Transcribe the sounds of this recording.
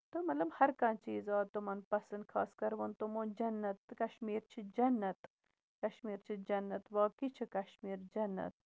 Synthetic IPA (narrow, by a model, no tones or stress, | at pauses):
t̪ɨmɐt̪lɐmhɐɾkɐ̃nt͡ʃiːzaːt̪umɐnpɐsɐnd̪̚kʰa̰ːskɐɾʋɐnt̪umond͡ʒɐnːɐt̪kɐʃmiːɾt͡ʃʰid͡ʒɐnːɐt̪ | kɐʃmiːɾt͡ʃʰid͡ʒɐnːɐt̪ʋaːkit͡ʃʰikɐʃmiːɾd͡ʒɐnːɐ̰t̪̚